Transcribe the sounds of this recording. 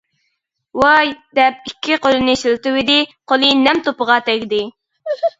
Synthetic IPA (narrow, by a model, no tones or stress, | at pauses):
wɑjd̪̥ɛp̚ikʲʰːiqʰolˠɨnɨʃilt̪ɪwɪd̪ɪqʰolˠɨnɛmt̪opəʁɑt̪ʰɛkʲd̪ɪ